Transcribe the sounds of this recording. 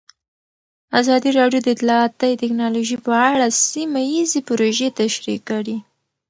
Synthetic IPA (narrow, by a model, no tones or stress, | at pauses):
azɑd̪iɾɑɖjod̪əɪt̪lɑat̪əjt̪ɪknɑloʒipəaɽasimajizepʊɾoʒet̪aʃɾikːəɽi